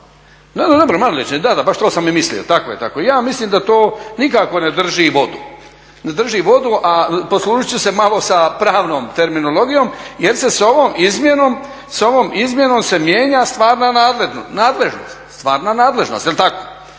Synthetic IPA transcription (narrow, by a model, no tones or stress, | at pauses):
ned̪od̪o̞bɾomaloɾet͡ʃed̪ad̪abaʃt̪oːsamːimislḭot̪akojet̪akoijaːmisliːmd̪at̪oːnikako̞ne̞d̪r̩ʒiʋo̞d̪u | ne̞d̪r̩ʒiʋo̞d̪uʔaposlˠuːʒit͡ɕuse̞malˠo̞sapɾaːʋno̞ːmt̪e̞ɾminolˠo̞ɡijo̞ːmje̞ɾse̞so̞ʋoːmizmjenoːm | so̞ʋoːmizmje̞no̞mse̞mjeːɲast̪ʋaːɾnanaːd̪le̞ʒnonaːd̪le̞ʒno̰st̪st̪ʋaːɾnanaːd̪le̞ʒnost̪jelt̪ako̥